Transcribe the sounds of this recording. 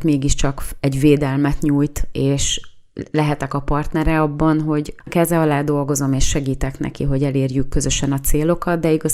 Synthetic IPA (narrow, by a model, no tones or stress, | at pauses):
t̪meːɡiʃt͡ʃɒkɛɟveːd̪ɛlmɛt̪ɲuːjt̪eːʃ | lɛɦɛt̪ɛkɒpɒrt̪nɛɾɛɒbːɒnɦo̞ɟkɛzɛɒlaːd̪o̞lɡo̞zo̞meːʃːɛɡiːt̪ɛknɛ̰kḭɦo̞ɟɛleːrjykːø̞zø̞ʃɛnɒt̪seːlo̞kɒd̪̚d̪ɛiɡɒ